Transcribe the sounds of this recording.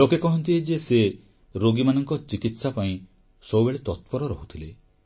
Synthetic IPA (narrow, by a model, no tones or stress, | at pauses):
lokekɔɦɔnt̪id͡ʒese | ɾoɡimanɔŋkɔt͡ʃikit̪sapaĩ | sɔubeɭet̪ɔt̪̚pɔɾɔɾɔɦut̪ʰile